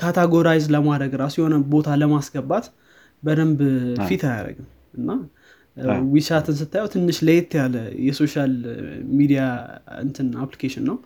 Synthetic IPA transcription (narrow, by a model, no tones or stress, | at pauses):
kʰat̪ʰaɡo̞ɾajzləmad̪əɡɾasjɛho̞nəbo̞t̪ʰaləmasɡəbat̪ | bəd̪əmbfit̪aja̰ɾə̰ɡɨm | ɨnːa | wiʃat̪ʰɨns̬ɨt̪ʰːajɛwt̪ʰɨnːɨʃləjɛt̪ʰːjaləjɛso̞ʃalmid̪ijaɨ̰nt̪ʰɨnaplikʰeʃɪnːəw